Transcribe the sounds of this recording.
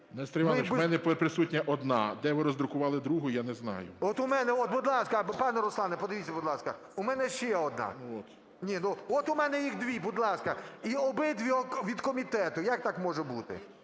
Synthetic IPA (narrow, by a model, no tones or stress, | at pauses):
nɛst̪ɾʲɪmɑlmɛnɛppɾɪsutʲnʲɐʔɔd̪nɑ̰d̪ɛʋɪɾɔzd̪ɾʊkʊʋɑlˠɪd̪ɾuɦʊjjanɛznɑ̰jʊ̰ɔt̪ʊmɛnɛɔt̪̚bʊd̪lˠɑskɐpɑnɛɾɔslˠɑnɛpɔd̪eɪʋʲitʲːɐbʊd̪lˠɑskɐ | ʊmɛnɛʃɛɔd̪nɑ̰nɔt̪ | nʲinuɔt̪ʊmɛnɛjixd̪ʋʲibʊd̪lˠɑskɐiɔbɪd̪ʋʲiʋʲid̪kɔmʲit̪ɛt̪ʊjak̚t̪ɑkmɔʒɛbut̪ɪ̰